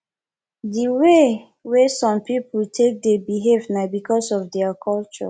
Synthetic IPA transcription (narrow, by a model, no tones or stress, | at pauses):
diwe | wesɔ̃mpipultʰek̚debiɦevnabikʰɔsɔfdɛakʰɔlt͡ʃɔ̰